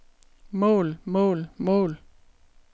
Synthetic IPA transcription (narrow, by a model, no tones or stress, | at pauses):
mɔ̰̽ːlmɔ̽ːlmɔ̰̽ːl